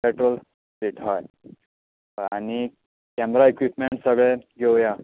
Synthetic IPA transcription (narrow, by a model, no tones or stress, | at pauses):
peʈɾol | beʈʰɦɔj | ani | kɛmɾaekʋipmeɳʈsəɡɭeɡʱewja